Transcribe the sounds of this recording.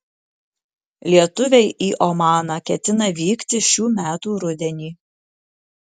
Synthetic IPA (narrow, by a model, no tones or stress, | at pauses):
lʲiɛt̪ʊʋʲɛɪʔiːʔɔmɑːnɑkʲɛt̪ʲɪnɐʋʲiːkt̪ʲɪʃʲuːmʲæːt̪uːɾʊd̪ʲɛnʲiː